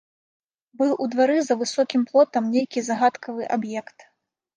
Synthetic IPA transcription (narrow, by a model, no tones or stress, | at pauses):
bɨwʔud̪vaɾɨzɐvɨsɔkʲimplˠɔt̪ɐmnʲejkʲizaɣat̪kɐvɨʔabjɛkt̪